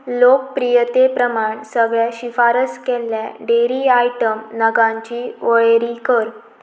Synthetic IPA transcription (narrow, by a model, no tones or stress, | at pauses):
lok̚pɾijət̪epɾəmaɳsəɡɭjaɕifaɾəskɛlːjaɖeɾiajʈəmnəɡãɲt͡ɕiːʋəɭeɾikəɾ